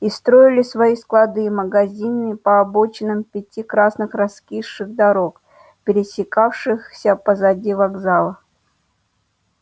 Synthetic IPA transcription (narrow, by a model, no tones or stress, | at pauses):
ist̪ɾo̞ɪlʲɪsvɐisklˠɐd̪ɨməɡɐzʲinɨpəːbot͡ɕɪnɨmpʲɪtʲikɾasnɨxrɐskʲiʂːɨɣd̪ɐɾok | pʲɪɾʲɪsʲɪkafʂɨxsʲəpəzɐdʲivɐɡzalˠə